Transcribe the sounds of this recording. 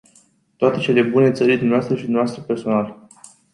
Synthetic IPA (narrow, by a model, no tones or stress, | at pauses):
t̪oat̪e̞t͡ʃe̞le̞bune̞t̪səɾild̪umneoast̪ɾəʃid̪umeoast̪ɾəpe̞rso̞nal